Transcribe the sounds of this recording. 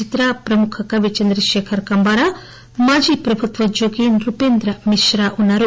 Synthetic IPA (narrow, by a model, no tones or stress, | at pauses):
it̪ɾapɾɐmukʰɐkɐʋit͡ʃɐnd̪ɾɐʃeːkʰɐɾkɐmbaːɾa | maːd͡ʒiːpɾɐbʱut̪ʋɐd͡ʒoːɡinɾupeːnd̪ɾɐmiʃɾaːʔunːaːɾu